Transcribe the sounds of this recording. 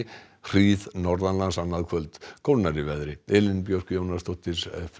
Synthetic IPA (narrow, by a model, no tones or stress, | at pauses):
r̥iːðnɔɾðanlansanːaðkʰvœlt̪kʰowlnaɾɪvɛðɾɪɛlɪnpjowr̥kʏjownast̪ɔht̪ɪsf